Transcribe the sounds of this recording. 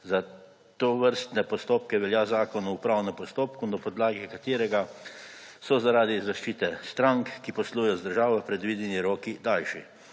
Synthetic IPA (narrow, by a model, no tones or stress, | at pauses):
za | t̪oːʋəɾst̪nɛpɔst̪oːp̚kɛʋɛljaːzaːkɔnɔupɾawnɛmpɔst̪oːpkunapɔd̪laːɡɛkat̪eːɾɛɡa | sɔzaɾaːd̪izaʃt͡ʃiːt̪ɛst̪ɾaŋkːipɔsluːjɔzd̪əɾʒaːʋɔpɾɛd̪ʋiːd̪jɛniɾoːkid̪alʃi